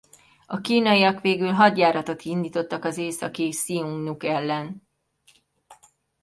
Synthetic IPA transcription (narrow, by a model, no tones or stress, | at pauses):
ɒkiːnɒjiɒkʋeːɡylɦɒd̪jaːɾɒt̪o̞t̪ind̪iːt̪o̞t̪ːɒkɒzeːsɒkisiuŋɡnukɛlːɛn